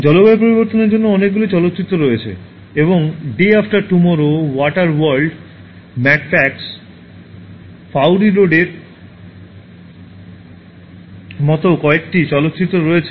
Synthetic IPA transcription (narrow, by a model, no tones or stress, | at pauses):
d͡ʑɔlobaep̬oɾiboɾt̪oneɾd͡ʑonːoɔnek̚ɡulit͡ɕɔlot̪ːɕit̪ːɾoɾoet͡ɕʰḛ | eβoŋɖeafʈaɾʈumɔɾowɔʈaɾwaɾɖ | mɛʈfɛks | fawɾiɾoɖeɾ | mɔt̪okɔek̚ʈit͡ɕɔlot̪ːt͡ɕit̪ːɾoɾoet͡ɕʰe